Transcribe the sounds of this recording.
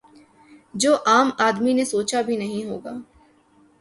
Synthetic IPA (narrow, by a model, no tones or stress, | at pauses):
d͡ʒoːʔaːmaːd̪minesoːt͡ʃabʱinɐɦĩɦoːɡaː